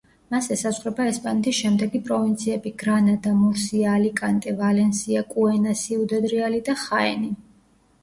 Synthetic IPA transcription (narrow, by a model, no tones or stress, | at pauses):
masɛsazʁɾɛbaɛspʼanɛt̪ʰisʃɛmd̪ɛɡipʼɾɔvint̪sʰiɛbiɡ̥ɾanad̪amuɾsiaːlikʼant̪ʼɛvalɛnsiakʼuɛnasiud̪ɛd̪ɾialid̪aχaɛ̰ni